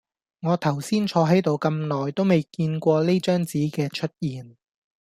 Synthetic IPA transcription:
ŋɔː˨˧t̪ʰɐ˨˩wsiː˥nt͡ʃʰɔː˨˧ɦɐ˨˥jt̪o˨wkɐ˧mlɔː˨˩jt̪o˥wme˨jkiː˧nkʷɔː˧le˥t͡ʃœː˥ŋt͡siː˨˥kɛː˧t͡ʃʰɵ˥t̚jiː˨˩n

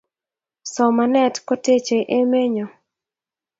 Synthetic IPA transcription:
sɔ˨ma˨nɛ˦tkɔ˦te˦t͡ʃe˨ʔe˦me˦ɲɔ˨

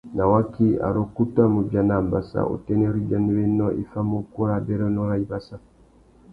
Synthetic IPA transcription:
na˨wa˦ki˦a̰˨ɾo˦ku˦ta˦mu˨bja˨na˨mba˨sa̰˨o̰˨tɛ˦nɛ˦ɾi˦d͡ʒa˦ni˦wɛ˦nɔ˦ʔi˦fa˦mo˦ku˦ɾa˦bɛ˦ɾɔ˦nɔ˦ɾa˦i˦ba˦sa˦

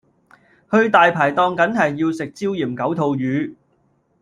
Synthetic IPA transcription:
hɵ˧ɥt̪aː˨jpʰaː˨˩jt̪ɔː˨˧ŋkɐ˨˥nhɐ˨jːiː˧wsɪ˨k̚t͡siː˥wjiː˨˩mkɐ˨˥wt̪ʰo˨˧wjyː˨˧

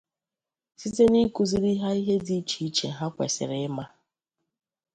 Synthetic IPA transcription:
si˦te˦ni˦ku˨zi˦ɾi˦ɦa˦i˦ɦe˦di˦t͡ʃi˨˦t͡ʃe˨ɦa˦kʷḛ˨sɪ̰˨ɾe˨˦ma˦

